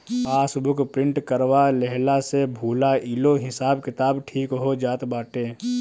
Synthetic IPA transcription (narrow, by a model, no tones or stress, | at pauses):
paːsbʊkʰpɾɪ̃ɳʈkəɾʋalɛɦlasebʱuːlaiːloɦɪsaːbkɪt̪aːbʈʰiːkɦod͡ʒaːt̪baːʈeː